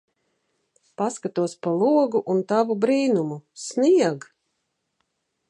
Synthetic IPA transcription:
paskat̪uɔspalˠuɔɡuʔunt̪avubɾiːnumusniɛɡ

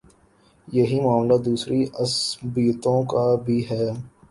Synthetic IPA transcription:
jɐɦimʊaːmlad̪uːsɾiɐsbiːt̪õkabʱiɦɛː

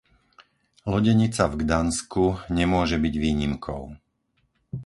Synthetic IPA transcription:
lɔɟɛɲit͡savɡd̪anskuɲɛmʊɔʒɛbiɟʋiːɲimkʰɔ̰ʊ

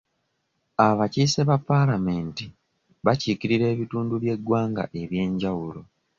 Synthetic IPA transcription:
aβaciːseβapːalame̞ːnti | βaciːkiɾiɾe̞ːβituːnduβje̞ɡwaːŋɡa̰ʔe̞βje̞ːɲɟawulo̞

